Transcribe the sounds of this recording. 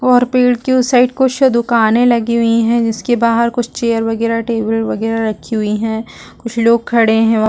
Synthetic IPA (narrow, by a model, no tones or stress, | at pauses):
ɔːɾpeːɽkjuːsaɪʈkʊt͡ʃʰd̪ʊkaːnẽlɐɡiɦʊiɦɛ̃d͡ʒɪskebaːɦəɾkʊt͡ʃʰt͡ʃeːəɾʋɐɡɛːɾaʈeːbəlʋɐɡɛːɾaɾɐkʰːiɦʊiɦɛ̃ːkʊt͡ʃʰloːɡ̚kʰɐɽeɦɛ̃